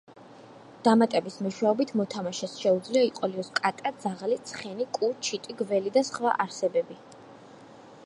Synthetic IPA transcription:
d̪̥amat̪ʼɛbismɛʃwɛɔbit̪ʰmɔt̪ʰamaʃɛsʃɛud̪zliaiqʼɔliɔskʼat̪ʼad̪zaʁalit̪sʰχɛnikʼut͡ʃʰit̪ʼiɡvɛlid̪asχva̰ʔaɾsɛbɛbi

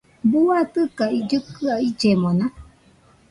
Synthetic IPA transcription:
buat̪ɨkaid͡ʒɨkɨaid͡ʒemõna

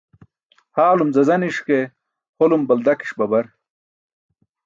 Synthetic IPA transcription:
haːlumzɐzɐniʂke | holumbɐld̪ɐki̥ʂbɐbɐɾ

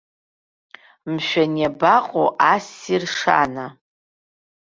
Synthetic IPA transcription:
mʃʷᶣanabaqʼoʔasirʂa̰na

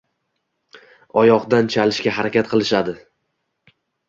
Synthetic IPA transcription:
ɒjɒqd̪ant͡ʃʰalɪʃkʲaɦaɾakʲat̪̚qʰɨlˠɪʃad̪ɪ

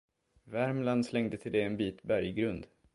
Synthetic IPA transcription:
væɾmland̪slɛŋd̪ət̪ʰɪld̪ɛɛnbiːt̪bæɾjɡɾɵnd̪

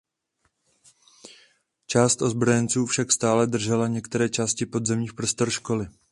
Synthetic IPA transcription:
t͡ʃaːst̪ʔo̞zbɾo̞jɛnt͡suːfʃakst̪aːlɛdr̩ʒɛlaɲɛkt̪ɛɾɛːt͡ʃaːscɪpo̞dzɛmɲiːxpɾo̞st̪o̞ɾʃko̞lɪ

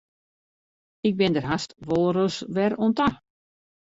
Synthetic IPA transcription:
ɪk̚bɪndərɦastʋolˠəɾəsʋɛɾonta

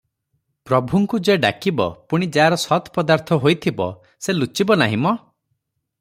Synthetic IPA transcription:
pɾɔbʱuŋkud͡ʒeɖa̰kibɔ̰puɽ̃id͡ʒaːɾɔsɔt̪pɔd̪aɾt̪ʰɔɦojt̪ʰibɔ̰ | selut͡ʃibɔnaɦimɔ

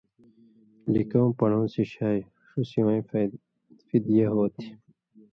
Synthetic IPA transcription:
likõːpɐɳõːsiɕaːj | ʂusiwãĩ | fid̪ijeɦoːt̪ʰi̥

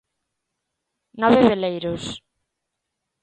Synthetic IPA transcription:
nɔβeβelejɾʊs

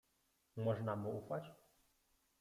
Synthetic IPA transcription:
mɔʐnamuufat͡ɕ

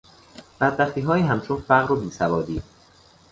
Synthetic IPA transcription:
b̥æd̪̚bæχt̪iːɦɒːjiːɦæmt͡ʃʰonfæɣɾobiːsævɒːd̪iː

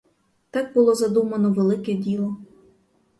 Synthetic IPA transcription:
t̪ɑɡ̚bʊlˠɔzɐd̪umɐnɔʋelˠɪkɛdʲilˠɔ

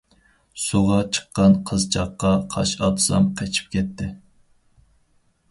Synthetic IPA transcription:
suʁɑt͡ʃʰə̥qːɑnqʰəzt͡ʃʰɑqːɑqʰɑ̰ʃɑt̪ʰzɑ̰mqʰet͡ʃʰi̥p̚kʲʰɛt̪ʰːɪ

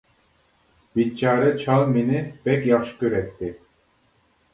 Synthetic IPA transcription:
bit̪̚t͡ʃʰɑːɾɛt͡ʃʰɑlˠminɪb̥ɛkʲjɑχʃɯ̥kʲøɾɛt̪ːɪ

